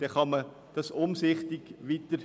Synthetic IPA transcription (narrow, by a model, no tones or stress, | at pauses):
d̥ɛχɑmə | d̥ɑsʊmsɪχtɪɡ̥ʋiːt̪əɾ